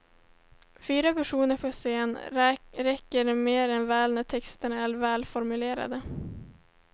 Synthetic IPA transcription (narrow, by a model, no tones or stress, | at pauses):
fyːɾapæʂuːnəɾpʰɔseːnɾɛkːəɾmeːɾɛnvɛːlnæʈʰɛkst̪əɳaæɾvɛːlfɔɾmɵleːɾa̰d̪ə